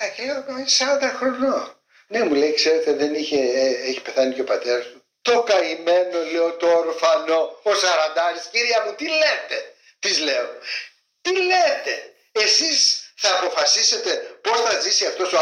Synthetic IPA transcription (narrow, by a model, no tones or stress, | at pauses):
ɐceleokɐsɐɾɐnd̪ɐxɾo̞no | ne̞muleikse̞ɾe̞t̪eðeniçeeçi̥pe̞θɐniceo̞pɐt̪e̞ɾɐsmu | t̪o̞kɐime̞no̞leot̪oːɾfɐno̞osɐɾɐnd̪ɐɾisciɾiɐmut̪ilet̪e̞ | t̪izle̞o | t̪ilet̪e̞ | esisθɐːpo̞fɐsise̞t̪e̞po̞sθɐzisiɐft̪o̞sto